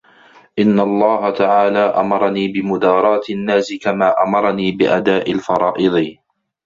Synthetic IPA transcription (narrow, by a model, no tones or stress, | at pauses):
ʔɪnːalˤːɑːɦat̪aʕaːlaːʔamɑɾˤɑniːbɪmʊd̪ɑːɾˤɑːt̪ɪnːaːsɪkamaːʔamɑɾˤɑniːbɪʔad̪aːʔɪlfɑɾˤɑːʔɨd̪ˤɨ